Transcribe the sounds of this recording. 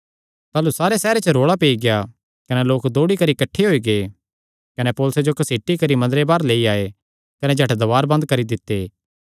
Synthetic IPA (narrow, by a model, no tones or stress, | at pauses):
t̪aːlusaːɾesɛːɾet͡ʃəɾoːɭapeːiɡɪja | kɐnɛloːkd̪oːɽikɐɾikɐʈʰːeɦoːiɡeː | kɐnɛpoːlsed͡ʒokɐseːʈikɐɾimɐ̃nd̪əɾebaːɾleːiaːe | kɐnɛd͡ʒʱɐʈd̪ɐʋaːɾbɐ̃nd̪kɐɾid̪ɪt̪ːeː